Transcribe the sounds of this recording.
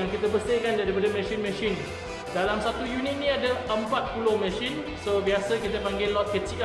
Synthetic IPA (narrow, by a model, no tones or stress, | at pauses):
aŋkit̪əpəst̪ekandaɾipadəmɛ̃ʃinmɛ̃ʃin | dalamsat̪ujunit̪̚nĩadaəmpat̪̚pulohmɛ̃ʃin | sobiasəkit̪əpaŋɡɪlɔt̪̚kət͡ʃik